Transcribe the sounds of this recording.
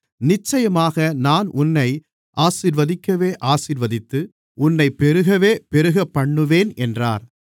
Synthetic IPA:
nɪt͡ʃːɐjɐmaːɣɐnaːnʔʊnːɐɪ | ʔaːsiːɾʋɐðɪkːɐʋeːʔaːsiːɾʋɐðɪt̪ːɯ | ʊnːɐɪpːɛɾɯɣɐʋeːpɛɾɯɣɐpːɐɳːɯʋeːnɛndra̰ːɾ

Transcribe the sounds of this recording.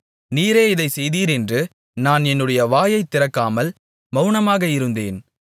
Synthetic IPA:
niːɾeːɪðɐɪsɛjðiːɾɛndrɯ | naːnɛnːɯɽɐjɐʋaːjɐɪt̪ːɪɾɐkːaːmɐl | mɐʊnɐmaːɣɐɪɾɯnd̪ḛːn

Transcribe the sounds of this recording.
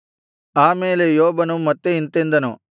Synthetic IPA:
aːmeːlejoːbɐnumɐt̪ːeint̪end̪ɐnu

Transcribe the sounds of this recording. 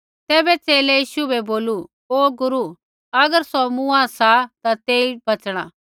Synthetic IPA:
t̪ɛːbɛt͡seːlɛjiːʃubɛboːlu | oːɡʊɾu | ɐɡəɾsɔmũasat̪at̪eːibɐt͡sɽ̃a̰

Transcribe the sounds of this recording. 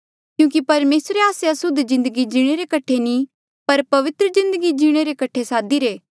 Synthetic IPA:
kjũːkipɐɾmeːsɾeaːseɐsʊd̪zɪ̃nd̪əɡid͡ʒiːɽ̃eɾekɐʈʰːenĩ | pɐɾpɐʋɪt̪ɾəzɪ̃nd̪əɡid͡ʒiːɽ̃eɾekɐʈʰesaːd̪iɾeː

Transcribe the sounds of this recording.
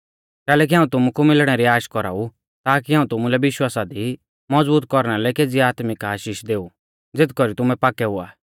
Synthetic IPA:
kɛːlɛːk̬iɦãːũt̪ʊmukumɪlɽ̃ɛɾiaːʃkɔɾa̰ːu | t̪aːkiɦaːũt̪ʊmulɛbɪʃwaːsad̪i | mɔd͡zbuːt̪̚kɔɾɽ̃alɛkeːd͡ziaːt̪mɪkaːʃiːʃd̪eːu | d͡zɪt̪kɔɾit̪ʊmɛ̃paːkɛɦʊa̰ː

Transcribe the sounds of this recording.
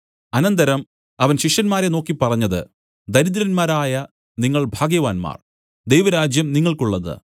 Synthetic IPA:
ɐnɐnd̪ɐɾɐm | ɐʋɐnɕiʂjɐnmaːɾe̞no̞ːkːipːɐrɐɲːɐðɨ̰ | d̪ɐɾid̪ɐɾɐnmaːɾaːjɐ | niŋːɐɭbʱaːɡjɐʋaːnma̰ːr | d̪e̞jʋɐɾaːd͡ʑjɐmniŋːɐɭkuɭːɐðɨ̰

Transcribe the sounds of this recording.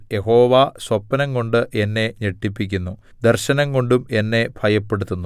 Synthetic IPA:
je̞ɦo̞ːʋasʋɐpːɐnɐŋɡo̞ɳɖɨʔenːe̞ɲeʈːipːikʲːunːu | d̪ɐrɕɐnɐŋɡo̞ɳɖume̞nːe̞bʱɐjɐpːe̞ɽut̪ːunːu

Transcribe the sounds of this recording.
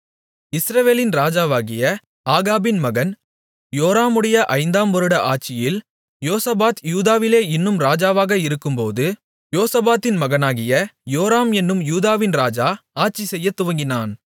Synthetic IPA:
ɪsɾɐʋeːlɪnɾaːd͡ʒaːʋaːɣɪjɐ | aːɣaːbɪnmɐɣɐn | joːɾaːmɯɽɐjɐʔɐɪnd̪aːmʋɔɾɯɽɐʔaːʈ̚t͡ʃɪjɪl | joːsɐbaːt̪juːðaːʋɪleːɪnːɯmɾaːd͡ʒaːʋaːɣɐɪɾɯkːɯmpoːðɯ | joːsɐbaːt̪ːɪnmɐɣɐnaːɣɪjɐjoːɾaːmɛnːɯmjuːðaːʋɪnɾaːd͡ʒaːaːʈ̚t͡ʃisɛjːɐt̪ːʊʋɐŋɡɪnaːn

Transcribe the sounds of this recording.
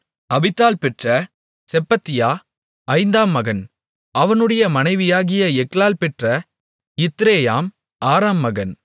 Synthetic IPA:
ɐbɪt̪ːaːlpɛʈrɐ | sɛpːɐt̪ːɪjaː | ɐɪnd̪aːmːɐɣɐn | ɐʋɐnɯɽɐjɐmɐnɐɪʋɪjaːɣɪjɐɛkɭaːlpɛʈrɐ | ɪt̪ːɾeːjaːm | aːɾaːmːɐɣɐn

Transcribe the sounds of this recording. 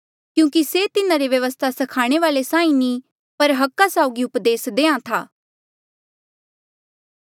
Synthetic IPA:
kjũːkiset̪ɪnãɾeʋjɐʋəst̪ʰasɐkʰaːɽ̃eʋaːlesãːĩnĩ | pɐɾɦɐkːasaʊɡiʊpd̪eːsd̪eːãt̪ʰaː

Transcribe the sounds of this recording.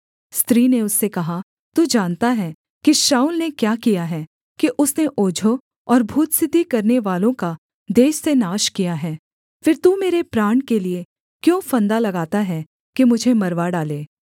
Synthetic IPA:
st̪ɾiːneʊsːekɐɦa | t̪uːd͡ʒaːnt̪aɦɛ | kiʃaːuːlnekjaːkijaɦɛː | kiʔʊsneʔoːd͡ʒʱo | ɔːɾbʱuːt̪sɪd̪ʱːikɐɾneʋaːlõka | d̪eːʃsenaːʃkijaɦɛː | fɪɾt̪umeːɾepɾaːɳkelie | kjõːfɐ̃nd̪alɐɡaːt̪aɦɛ | kimʊd͡ʒʱemɐɾʋaɖaːleː

